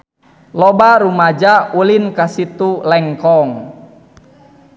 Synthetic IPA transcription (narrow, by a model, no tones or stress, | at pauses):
lɔbaɾumad͡ʒaulinkasit̪ulɛŋkɔŋ